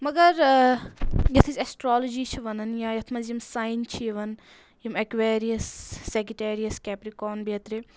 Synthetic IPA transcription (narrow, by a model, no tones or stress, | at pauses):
mɐɡɐɾ | jɐt̪ʰisʲɐsʈɾaːlod͡ʒiːt͡ʃʰiʋɐnɐnjãːjɐt̪ʰmɐzjimsaːint͡ʃʰiʋɐn | jimɐkʋeːɾijɐsːekɾiʈeːɾijɐskʲɛːpɾikoːnbiɐt̪ɾi